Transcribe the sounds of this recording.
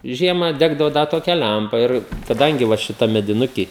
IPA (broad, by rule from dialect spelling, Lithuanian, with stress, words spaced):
ˈʒʲiɛmɑː ˈdʲæːɡdɐʋoː ˈdɐ toːˈkʲɛ ˈlʲæmpɐ ˈɪr kɐˈdɐŋʲɡʲɪ ʋɐ ʃʲɪˈtɐm mʲɛdʲɪˈnʊkʲiː